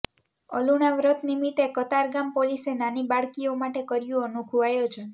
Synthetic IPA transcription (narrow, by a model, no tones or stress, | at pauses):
ə̰luɽ̃aʋɾət̪nimit̪ekət̪aɾɡampolisenanibaɭkiomaʈekəɾijũənuɡʱuʋajot͡ʃʰe